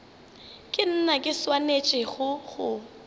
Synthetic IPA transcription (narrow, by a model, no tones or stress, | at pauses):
kʼɪn̩nakʼɪswanet͡ʃʼɪɣʊɣʊ